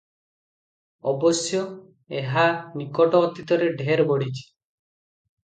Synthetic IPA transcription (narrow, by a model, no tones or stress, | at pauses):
ɔbɔsjɔ | eɦanikɔʈɔɔt̪it̪ɔɾeɖʱeɾbɔɽit͡ʃʰi̥